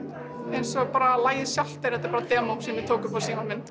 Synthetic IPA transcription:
ejnsɔɣpaːɾalaːjɪsjawl̥t̪aɾɛt̪aɾpaɾat̪ɛːmowksɪːnːɪt̪ʰoːwkʏfasiːmanmɪnː

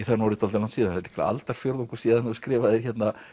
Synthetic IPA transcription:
iθɛnːawɾit̪ʰal̬lansiːðaɛɪ̥kla̰a̰lt̪aɾ̥fjowɾðuŋku̥siːðanðʏskɾɪːvaðɛɾ̥çɛt̪na

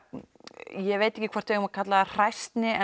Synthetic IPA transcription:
jɛveːjt̪ɛhcɪkʰvar̥t̪vejɣʏmakʰat̪laðar̥ajst̪nɪɛ

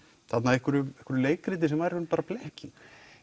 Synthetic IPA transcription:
θat̪naðɛhkʏɾʏmɛhkʏɾʏleːjkɾɪt̪ɪsɛmvajɾɪhʏnpaːɾaplɛhcɪn

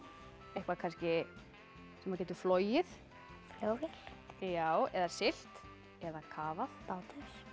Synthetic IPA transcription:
ehkvakʰajnscɪ | sɛmacɛːt̪ʏɾfloːwjɪθ | fljoːwvjɛljaːwɛðasɪl̥t̪ | ɛðakʰaːvaθpaːwt̪ɪs

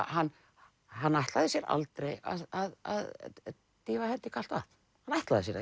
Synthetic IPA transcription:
hanː | ɦanːajht̪laðɪsjɛɾa̰lt̪ɾeja̰aðað | t̪iːvahɛnt̪ɪkʰal̥t̪aθ | hanajht̪laðɪs̬jɛɾa

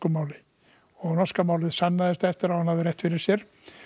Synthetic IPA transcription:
kʏmaːwlɪ | ɔɣnɔskamaːwlɪðsanːaðɪst̪aɛft̪ɪɾawhanhavðɪɾjɛht̪fɪɾɪɾ̥sjɛɾ̥

